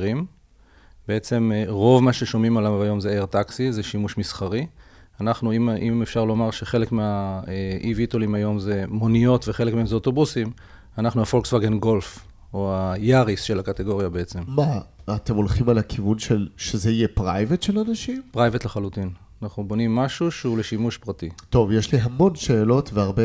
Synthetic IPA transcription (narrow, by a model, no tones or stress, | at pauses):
ʁim | beet͡se̞mʁo̞vmaʃe̞ʃo̞mimalavajo̞mzeeʁt̪aksizeʃimuʃmisχaʁi | anaχnuimʔimefʃaʁlo̞maʁʃe̞χe̞le̞kmeaʔivitolimajo̞mze̞mo̞nijo̞tveχe̞lekmeemzeoto̞busim | anaχnuafo̞lksvaɡenɡo̞lf | oajaʁisʃelakat̪eɡo̞ʁjabeet͡se̞mmaːt̪e̞molχimalakʰivunʃelʃezeijepʁajvetʃelanaʃimpʁajvetlaχalutin | anaχnubo̞nimːaʃuʃule̞ʃimuʃpʁatito̞vjeʃliɦamõ̞nʃeːlo̞tveaʁbe